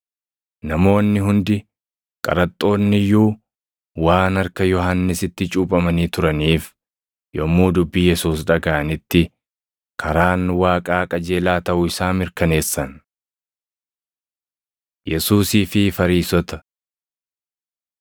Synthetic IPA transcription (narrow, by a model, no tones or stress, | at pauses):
nɐmo̞ːnːɪɦʊnd̪ɪ | kʼɐ̰ɾɐt̪ʼːo̞ːnːɪjuː | waːnɐɾkɐjɔɦɐnːɪsɪt̪ːɪt͡ʃʼuːpʼɐmɐniːt̪ʊɾɐniːf | jɔmːuːd̪ʊbːiːjɛsuːsᶑɐɡaʔɐnɪt̪ːɪ | kʰɐɾaːnwaːkʼaːkʼɐd͡ʒe̞ːlaːt̪ɐʔʊɪsaːmɪɾkɐne̞ːsːɐn | jɛsuːsiːfɪfɐɾiːsɔt̪ɐ̥